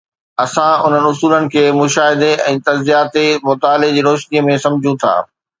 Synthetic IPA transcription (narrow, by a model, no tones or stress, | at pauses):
ɐsãʊn̤ənɪ̆ʊsuːlənɪ̆kʰeːmʊʃaːɦɪd̪eʔɛ̃ːt̪ɐzzijaːt̪emʊt̪aːled͡ʑiːɾoːʃniəmẽsɐ̃md͡ʑʱũt̪ʰa̰ː